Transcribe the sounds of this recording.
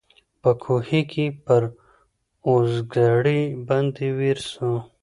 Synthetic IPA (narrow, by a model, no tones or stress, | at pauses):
pəkʰuhikipəɾ | oːzɡaɽibɐnd̪iwiɾsũ